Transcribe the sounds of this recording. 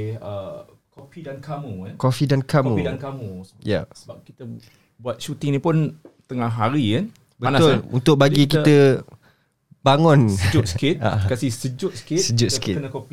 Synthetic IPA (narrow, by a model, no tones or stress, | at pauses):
ə | kofidankʰamuankofidankamũidankamuja̰səbap̚kit̪ə | buat̪̚ʃut̪ɪŋnipʊnt̪əŋãɦaɾikan | bətnaʊlṵnt̪ʊk̚baɡik̬it̪ə | baŋʊnəd͡ʒʊt̪̚sə̥kɪt̪̚a̰kasisəd͡ʒʊt̪sə̥kɪt̪səd͡ʒʊt̪̚ə̥kɪ̰ənakopi